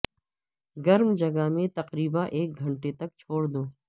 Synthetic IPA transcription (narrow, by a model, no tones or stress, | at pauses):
ɡɐɾmd͡ʒɐɡamẽt̪ɐqɾiːbaʔeːk̚ɡʱɐɳʈet̪ɐk̚t͡ʃʰoːɽd̪oː